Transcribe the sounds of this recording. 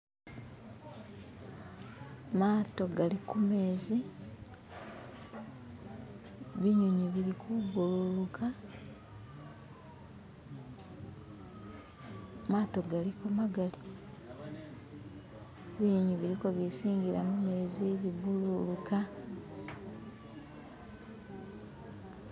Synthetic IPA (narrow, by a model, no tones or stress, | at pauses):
maːto̞ɡalikume̞ːzi | βiɲuɲiβiɾikʰubululuka | maːto̞ɡalikumaɡali | βiɲuɲiβiɾikoβisiːŋɡiɾamume̞ːziβibululuka